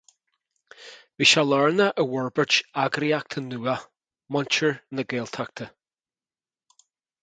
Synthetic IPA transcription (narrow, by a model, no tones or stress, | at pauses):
viːʃalɔɹnəʔəwɔɹbət͡ʃaɡɾiak̚t̪ʰənuːə | mɔnt͡ʃəɹnəɡeːlˠt̪ʰak̚t̪ʰə